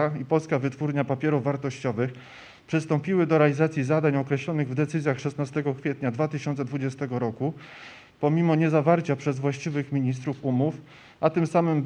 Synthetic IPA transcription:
aipɔlskavɘt̪fuɾɲapapʲjɛɾuvːaɾt̪ɔɕt͡ɕɔvɘx | pʂɘst̪ɔmpʲiwɘd̪ɔɾɛalʲizat̪sʲjizad̪aɲɔkɾɛɕlɔnɘɣvd̪ɛt̪sɘzʲjaxʂɛsnast̪ɛɡɔkfʲjɛt̪ɲad̪vat̪ɘɕɔnt̪sɛd̪vud͡ʑɛst̪ɛɡɔɾɔku | pɔmʲimɔɲɛzavaɾt͡ɕapʂɛzvwaɕt͡ɕivɘxmʲiɲist̪ɾufumuf | ʔat̪ɘmsamɘmb

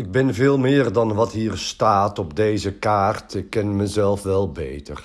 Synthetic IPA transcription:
ɪɡ̚bɪnvɪːlˠmɪːrdɑnʋɑtɦiːrstaːtɔbdejzəkaːrtɪkːɛnməzɛlˠfʋɛlˠbḛjtər

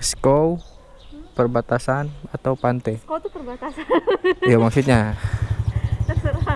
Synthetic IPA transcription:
skow | pərbat̪asanat̪awpant̪ɛkot̪upərbat̪as | jamaksut̪̚ɲa

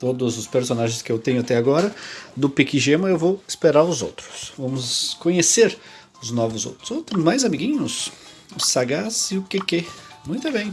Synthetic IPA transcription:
t̪od̪ʊzʊspeɾsonaʒẽj̃skɪewt̪ẽɲʊat̪ɛaɡɔɾɐd̪ʊpikiʒemɐewvowɪ̥speɾaɾʊzo̰wt̪ɾʊ̥svɐ̃mʊsskõɲeseɾ | ʊznɔvʊzo̰wt̪ɾʊ̥zowt̪ɾʊzmajzamiɡĩɲʊs | ʊsaɡasɪʊkeke | mũj̃t̪ʊbẽj̃

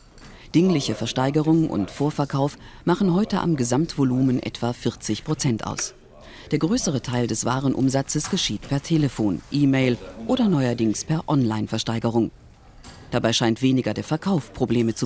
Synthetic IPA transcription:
d̥ɪŋlɪçəfɛɐʃtaɪɡəʁ̞ʊŋʔʊ̰ntfoːɐfɛɐkʰaʊfmaχn̩ɦɔʏtəʔa̰mɡəzamtv̥oluːmənʔɛ̰tv̥afɪɐt͡sɪçpʁ̥ot͡sɛntʔa̰ʊs | d̥eːɐɡʁøːsəʁ̞ətʰaɪldɛsv̥aːʁ̞ənʔʊ̰mzat͡səsɡ̥əʃiːtpʰɛɐtʰeːləfoːnʔiːmeɪlʔoːdɐnɔʏɐdɪŋspʰɛɐʔɔnlaɪnfɛɐʃtaɪɡəʁ̞ʊŋ | d̥abaɪʃaɪntv̥eːnɪɡɐdeːɐfɛɐkʰaʊfpʁ̥obleːmət͡su

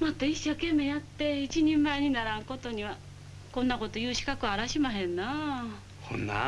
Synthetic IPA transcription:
mat̪ːaiɕːakẽ̞mːe̞jat̪ːe̞it͡ɕiɲẽmːaeɲ̟inaɾãŋko̞t̪o̞ɲ̟iβa | kõ̞nːako̞t̪o̞jɯːɕi̥kakɯ̟aɾaɕimaɦẽ̞nːa | kʰõ̰nːa̰

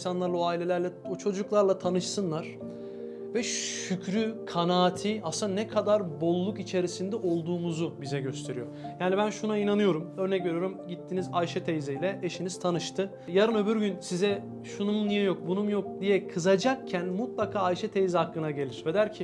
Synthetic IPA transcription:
nsanlˠaɾlˠaoaːilʲe̞lʲæɾlʲɛot͡ʃʰo̞d͡ʒuklˠaɾlˠat̪ʰanɯʃsɯnlˠaɾ̥ | vɛycʰɾykʰanaːt̪ʰiasɯnanɛkʰad̪aɾbo̞lˠːukit͡ʃʰe̞ɾisind̪ɛʔo̞lˠd̪uːmuzubizɛɟø̞st̪ʰe̞ɾijo̞jaːnibænʃunainanɯjo̞ɾumø̞ɾnɛcve̞ɾjoɾumɟit̪ʰːinizajʃɛt̪ʰejzɛjlʲɛʔeʃiniz̥t̪ʰanɯʃt̪ʰɯ | jaɾɯnø̞byɾɟynsizɛ | ʃunumunijɛjo̞k̚bunumjo̞k̚d̪ijɛkʰɯzad͡ʒak̚cʰænmut̪̚lˠakʰaːjʃɛt̪ʰejzihakːɯnaɟe̞lʲiɾ̥vɛd̪æɾcʰi

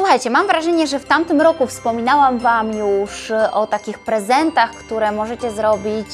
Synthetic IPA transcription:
swuxajt͡ɕɛmamvɾaʐɛɲɛʐɛft̪amt̪ɘmɾɔkufspɔmʲinawamvamjuʂʔɔt̪akʲixpɾɛzɛnt̪axkt̪uɾɛmɔʐɛt͡ɕɛzɾɔbʲit͡ɕ

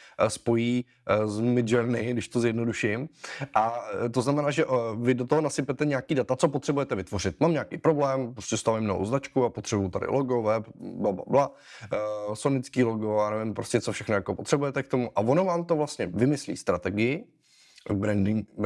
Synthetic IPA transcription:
spo̞jiː | zmɪd͡ʒɛɾnɪɡdɪʃt̪ozjɛdnoduʃɪmʔat̪o̞znamɛnaːʒɛʔvɪdo̞t̪oɦonasɪpɛt̪ɛɲaakiːdat̪at͡sopo̞t̪r̥ɛbujɛt̪ɛvɪt̪vo̞r̝ɪt̪̚mamɲaːkijpɾo̞blɛːmpɾoscʲɛst̪avɪmnoɦo̰wznat͡ʃkuapot̪r̥ɛbujut̪adɪ̰lʔoɡovɛpblabla̰bla | sonɪt͡skiːloɡojaːnɛvɪmpɾoscɛt͡sofʃɛxnojakopot̪r̥ɛbujɛt̪ɛk̚t̪o̞muʔavonovaːmt̪ovlast̪ɲɛvɪmɪslḭːst̪ɾat̪ɛɡɪjɪ | bɾɛndɪ

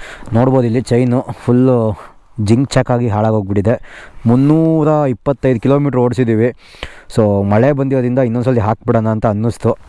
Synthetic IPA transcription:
noːɽboːd̪ilːit͡ʃɐjnupʰul | d͡ʒiŋɡt͡ʃaːkːaːɡiɦaːɭaːɡɦoːɡ̚biɽid̪e̞munːuːɾɐipːɐt̪ːɐjd̪ukiloːmiːʈɾoːɽsid̪iːʋi | soːmɐɭebɐnd̪iɾoːd̪ɾind̪ɐinːond̪sɐlːiɦaːk̚bɛɽɐnɐːnt̪ɐɐnːust̪u

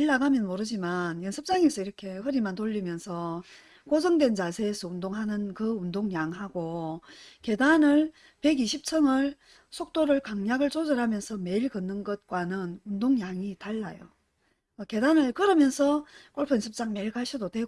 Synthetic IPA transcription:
ɭːaɡamjʌnmoɾɯd͡ʑimanjʌnsʰɯp̚t͡ɕ͈aŋesʰʌiɾʌkʰe̞ɸɯɾimantoʎːimjʌnsʰʌ | kos̬ʰʌŋdwe̞nt͡ɕasʰe̞ːsʰʌundoŋɦanɯnkɯundoŋjaŋhaɡo | ke̞danɯɭ | pe̞ɡiɕʰip̚t͡ɕʰʌŋɯɭ | sʰok̚t͈oɾɯɭkaŋɲaɡɯɭt͡ɕʰod͡ʑɯɾɦamjʌnsʰʌme̞iɭkɯnːɯnɡʌt̚kwanɯnundoŋjaŋitaɭːajo | ke̞danɯɭkɯɾʌmjʌnsʰʌkoɭpʰɯnsʰɯp̚t͡ɕ͈aŋmeɭɡaɕʰidodwe̞

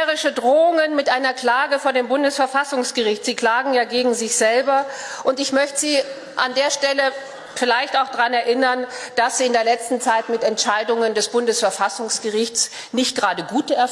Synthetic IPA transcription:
ʁɪʃədʁoːʊŋənmɪtʔaɪnɐkl̥aːɡəfoːɐdeːmbʊndəsfɛɐfasʊŋsɡ̥əʁɪçtz̥iːkl̥aːɡŋ̩jaːɡeːɡŋ̩zɪçz̥ɛlbɐʔʊntɪçmœçtəz̥iː | ʔa̰ndeːɐʃtɛlə | fɪlaɪçtaʊxd̥aʁanɛɐʔɪnɐnd̥asz̥iːɪndeːɐlɛt͡stn̩t͡saɪtmɪtɛntʃaɪdʊŋəndɛsb̥ʊndəsfɛɐfasʊŋsɡ̥əʁɪçts | nɪçt̚ɡ̥ʁaːdəɡuːtəɛɐ

